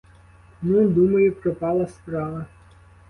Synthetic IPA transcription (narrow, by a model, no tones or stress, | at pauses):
nud̪umɐjʊpɾɔpɑlˠɐspɾɑʋɐ